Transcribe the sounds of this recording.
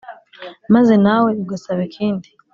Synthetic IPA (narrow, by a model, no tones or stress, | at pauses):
maze̞naweiɡasaβekʰiːndi